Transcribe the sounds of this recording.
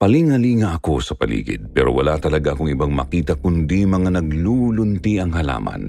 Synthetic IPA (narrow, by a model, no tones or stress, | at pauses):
pɐliŋhɐliːŋɐʔɐko̞sɐpɐ̰lḭːɡɪ̰d̪̚pɛːɾʔo̰wɐlat̪ɐlɐɡaʔɐkoŋɪbaŋmɐ̰kiːt̪ɐkʊnd̪imɐŋanɐɡluːlʊnt̪iʔɐŋhɐla̰ːmɐ̰n